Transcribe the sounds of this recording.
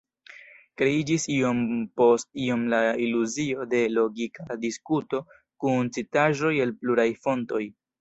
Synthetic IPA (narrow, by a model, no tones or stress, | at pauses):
kɾe̞id͡ʒisio̞mpo̞stio̞mlailuzio̞de̞lo̞ɡikadiskuto̞ | kunt͡sitaʒo̞je̞lpluɾajfo̞nto̞j